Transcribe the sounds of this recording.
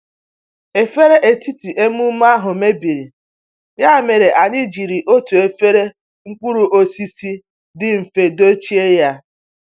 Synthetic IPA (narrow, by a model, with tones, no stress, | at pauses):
e˨fe˦ɾe˦ʔe˨ti˦ti˨ʔe˦mu˦m˦a˦ɦʊ˨me˦bi˨ɾi˨ | ja˦˨me˨ɾe˨ʔa˨ni˦d͡ʒi˨ɾi˨ʔo˦tu˨e˨fe˦ɾe˦ | ŋ̩˦kʷu˦ɾu˨ʔo˦si˦si˦ | dɪ˦m̩˨fe˨do˦t͡ʃi˦e˦ja˦